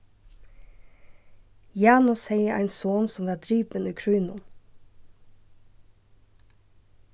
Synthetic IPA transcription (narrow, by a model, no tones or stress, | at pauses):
jæːnʊsheɪəʔæ̰ɪnsoːnsɔmʋæːd̪ɾyːpəniːkʰɹʉːnʊ̰m